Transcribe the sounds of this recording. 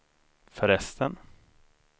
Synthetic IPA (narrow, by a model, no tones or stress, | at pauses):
fœɾɛst̪ʰən